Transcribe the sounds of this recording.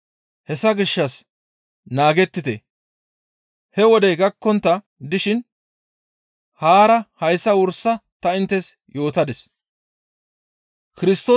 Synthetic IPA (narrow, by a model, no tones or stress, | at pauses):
hɛsɐɡɪʃːɐs | naːɡɛt̪ːɪt̪ɛ̰ | hɛwɔd̪ɛɡɐkːɔnt̪ːɐ | d̪ɪʃɪn | haːɾɐhɐjsːɐwʊɾsːɐt̪ɐɪnt̪ːɛs | jo̞ːt̪ɐd̪ɛs | kɪɾɪst̪o̞ː